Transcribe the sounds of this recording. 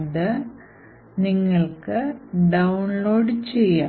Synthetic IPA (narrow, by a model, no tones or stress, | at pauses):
ðɨ | niŋːɐɭkɨɖɐwnloːɖt͡ɕejːa